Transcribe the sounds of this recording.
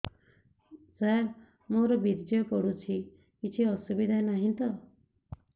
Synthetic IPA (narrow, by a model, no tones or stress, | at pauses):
d͡zaj | moɾɔbiɾd͡ʒɔɔkɔɽut͡ʃʰi | kit͡ʃʰiɔsubid̪ʱajnaɦĩnt̪ɔ